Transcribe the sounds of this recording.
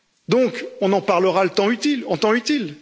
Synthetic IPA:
d̪ɔ̃kɔ̃nɑ̃paʁləʁalət̪ɑ̃yt̪ilɑ̃t̪ɑ̃yt̪il

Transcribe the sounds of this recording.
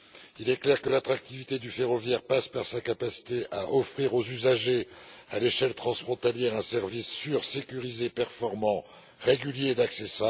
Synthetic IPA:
ilɛklɛʁkəlat̪χak̚t̪ivit̪ed̪yfeʁɔvjɛʁpaspaʁsakapasi̥t̪eʔaʔɔfχiʁozyzaʒealeʃɛlt̪χɑ̃sfχɔ̃t̪aljɛʁɛ̃sɛʁvisːyʁsekʲyʁizepɛʁfɔʁmɑ̃ | ʁeɡʲyljed̪aksesab

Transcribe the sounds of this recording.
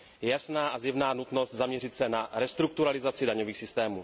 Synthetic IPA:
jɛjasnaːʔazjɛvnaːnut̪no̞st̪zamɲɛrɪt̪sɛnaɾɛst̪ɾukt̪uɾalɪzat͡sɪdaɲoviːxsɪst̪ɛːmuː

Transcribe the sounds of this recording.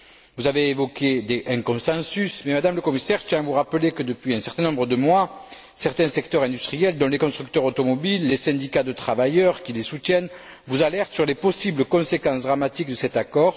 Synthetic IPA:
vuzaveːvɔked̪eʔɛ̃kɔ̃sɑ̃sysmɛmad̪amləkɔmisɛʁt̪jɛ̃vuʁapəlekəd̪əpɥiɛ̃sɛʁt̪ɛ̃nɔ̃mbʁəd̪əmwa | sɛʁt̪ɛ̃sɛkt̪œʁɛ̃d̪yst̪χijɛld̪ɔ̃lekɔ̃st̪χyk̚t̪œʁot̪ɔmɔbilːesɛ̃d̪ikad̪ət̪χavajœʁkʲilesut̪jɛn | vuzalɛʁt̪syʁlepɔsibləkɔ̃sekɑ̃sd̪ʁamat̪ikd̪əsɛt̪akɔʁ

